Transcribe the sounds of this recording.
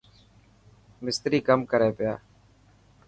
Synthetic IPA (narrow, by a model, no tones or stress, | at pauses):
mɪst̪ɾiːkəmkəɾeːpɪjaː